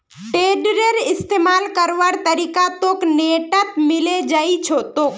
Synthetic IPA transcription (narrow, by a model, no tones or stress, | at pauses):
ʈeːɖɾeɾɪst̪emaːlkəɾʋaɾt̪əɾiːkat̪oːkneʈət̪mɪled͡ʒaːit͡ʃʰot̪oːk